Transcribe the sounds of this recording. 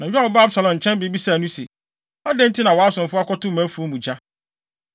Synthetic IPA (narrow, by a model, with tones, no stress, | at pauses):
nã˨ɥᶣa˦wɔ˨˦ba˦bsa˨lɔ̃˨nɲ̩˨t͡ɕʰɛ̃˦nbi˨˦bi˦sa˦˨nʊ̃˦se˨ | ɔ˦dɛ˦n̩˦tʰɪ˦nã˨wa˦sʊ̃˨mfʊ˦a˦kɔ˦tʊ̃˦mã˨˦fu˨˦o˦mũ˨d͡ʑa˦